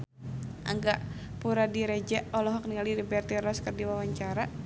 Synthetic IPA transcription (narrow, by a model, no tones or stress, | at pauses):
ʔa̰ŋɡaʔ | puɾadiɾɛd͡ʒaʔɔlɔɦɔk̚niŋalidibɛrt̪iɾɔskərdiwawaɲt͡ʃaɾa